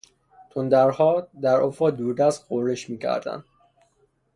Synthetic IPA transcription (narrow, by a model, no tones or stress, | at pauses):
t͡ʃ̪ʰond̪æɾhɒːd̪æɾofɒːd̪uːɾd̪æst̪̚ɢoɾːeʃmiːcʰæ̰ɾd̪æ̰nd̪̥